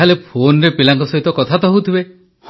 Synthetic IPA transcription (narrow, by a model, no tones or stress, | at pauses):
alepʰonɾepilaŋkɔsɔɦit̪ɔkɔt̪ʰat̪ɔɦowt̪ʰibe | h